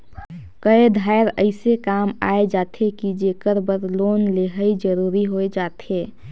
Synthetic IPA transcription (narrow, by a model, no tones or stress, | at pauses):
kəed̪ʱaɪɾə̰ɪsekaːma̰ːed͡ʒaːt̪ʰekid͡ʒeːkəɾbəɾloːnleɦəid͡ʒəɾuːɾiɦoed͡ʒaːt̪ʰeː